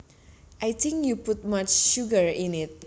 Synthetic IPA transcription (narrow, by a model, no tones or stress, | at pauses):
ʔajt̪ĩŋkjupʊt̚mat͡ʃʃuɡəɹɪ̃nɪt̚